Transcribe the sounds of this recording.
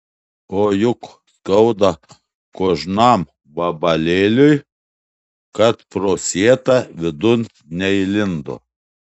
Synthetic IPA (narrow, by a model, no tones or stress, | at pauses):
oːjʊk | skɐʊd̪ɐ | koːʒnɑːm | bɐbɐlʲeːlʲʊj | kɐt̪pɾoːsʲiɛt̪ɑʋʲɪd̪ʊn | nʲɛɪlʲɪnd̪o̰ː